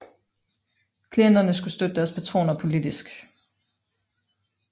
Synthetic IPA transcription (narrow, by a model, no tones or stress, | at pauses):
kʰlien̰d̥ɐnəsɡ̥usd̥ød̥əd̥æɐspʰæt͡sʰʁo̝̰ːnɐpʰo̝lid̥isɡ̥